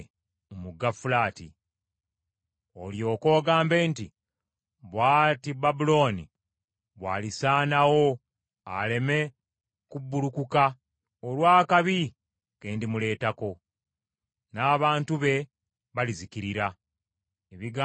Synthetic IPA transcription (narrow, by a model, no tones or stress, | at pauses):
omuɡafulaːtḭ | o̞̰ljo̞ːko̞ːɡaːmbe̞ːnti | βwaːtibabulo̞ːni | βwa̰ːlisaːnawo̞ | ale̞me̞ | kubːulukuka | olwaːkaβi | keːndimule̞ːtako̞ | naːβaːntuβe̞ | βalizikiɾiɾa | eβiɡa